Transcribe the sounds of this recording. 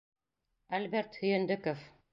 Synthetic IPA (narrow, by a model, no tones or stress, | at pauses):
ælbeɾt̪hɵ̆jɘ̆nd̪ɘkof